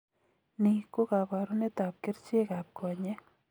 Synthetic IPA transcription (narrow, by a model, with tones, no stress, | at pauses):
ni˨ko˦ka˨pa˨ɾu˦ne˦t̪a˨p̚kɪ˦ɾt͡ʃɪ˦ka˨p̚kʰɔ˨ɲe˦